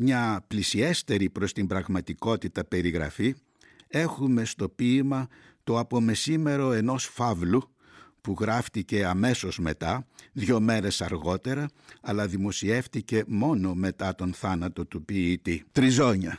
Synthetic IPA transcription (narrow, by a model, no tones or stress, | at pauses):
mɲɐplisie̞st̪e̞ɾipɾo̞st̪imbɾɐɣmɐt̪iko̞t̪it̪ɐpe̞ɾiɣɾɐ̰fi | e̞xume̞st̪o̞piːmɐ | t̪o̞ɐpo̞me̞sime̞ɾo̞e̞no̞sfɐvlu | puɣɾɐft̪ice̞ɐme̞so̞zme̞t̪ɐðʝo̞me̞ɾe̞sɐɾɣo̞t̪e̞ɾɐɐlɐðimo̞sie̞ft̪ice̞mo̞no̞me̞t̪ɐt̪o̞nθɐnɐt̪o̞t̪upiːt̪it̪ɾizo̞ɲɐ